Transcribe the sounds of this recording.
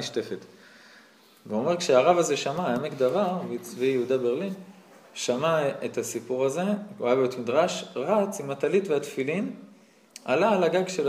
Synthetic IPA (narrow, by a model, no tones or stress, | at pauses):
ʃte̞fet | veomekʃeaːʁavaze̞ʃamaamekd̪aʁavvijeudabe̞ʁlin | ʃamaet̪asipuʁaze̞uajabejot̪midʁaʃʁat͡simatalitveat̪filin | a̰laːlaɡaɡʃel